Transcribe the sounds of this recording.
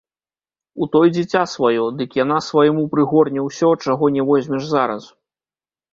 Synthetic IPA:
ut̪ɔjd͡zʲɛt͡sʲasvajɔd̪ɨkjan̪asvɐjmupɾɨɣɔrnʲɛwsʲɔt͡ʂaɣɔnʲɛvɔzʲmʲɛʐzaɾɐs

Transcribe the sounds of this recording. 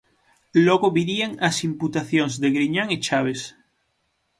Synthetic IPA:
loɣoβiɾiaŋasimput̪aθjonzðeɣɾiɲaŋet͡ʃaβ̞es

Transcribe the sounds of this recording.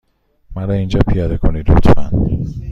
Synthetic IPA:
mæɾɒind͡ʒɒːpʰijɒːd̪ekʰoniːd̪ɾo̰t̪ʰmæ̰n

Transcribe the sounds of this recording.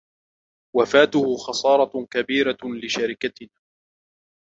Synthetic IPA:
wafaːt̪ʊhʊxɑsˤɑːɾˤɑkabiːɾalɪʃaɾɪkat̪ɪnaː

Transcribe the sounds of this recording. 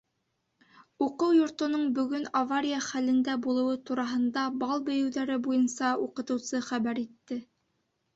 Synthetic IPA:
uqɤwjŏɾt̪ŏnoɴbɵ̆ɡɵnavaɾʲijaχælɘ̆nd̪æbulˠɤ̆wɤt̪uɾɑɦɤ̆nd̪ɑbɑlˠbɵ̆jɘ̆wðæɾɘbujɤnsɑuqɤ̆t̪ɤ̆wsɤχæβæɾit̪ːɘ

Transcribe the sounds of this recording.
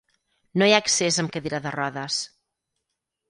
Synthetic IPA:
nojaksezəmkəðiɾaðərɔðəs

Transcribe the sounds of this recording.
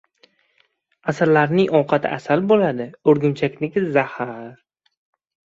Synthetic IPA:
asaɾlaɾnɪŋɒwqʰɑt̪ʰɪ̰ʔasalbolad̪ɪoɾɡʲʊmt͡ʃʰakʲnɪkʲɪzahaɾ

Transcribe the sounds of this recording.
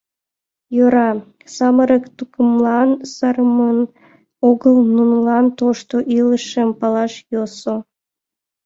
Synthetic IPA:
jøɾɑ | sɑməɾəkt̪ukəmlɑnsɑrəmən | oɣəlˠnunlˠɑnt̪oʃt̪oʔiləʃəmpɑlˠɑʃjoso

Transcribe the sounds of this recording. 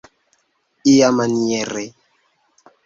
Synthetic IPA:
ijamaniɛɾɛ

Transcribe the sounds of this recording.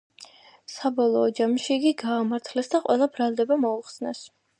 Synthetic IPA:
sabɔlˠɔːd͡ʒamʃiːɡiɡaːmaɾt̪ʰlɛsd̪aqʼwɛlˠabɾalˠd̪ɛbamɔuχsnɛs

